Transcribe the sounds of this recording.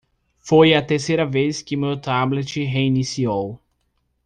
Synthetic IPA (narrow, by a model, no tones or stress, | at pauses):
fojɐt̪eɾsejɾɐveskɪmewt̪ablet͡ʃɪɦeinisiow